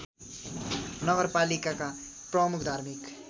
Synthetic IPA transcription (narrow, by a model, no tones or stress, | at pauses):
nʌɡʌɾpalikaka | prʌmukʰd̪ʱaɾmik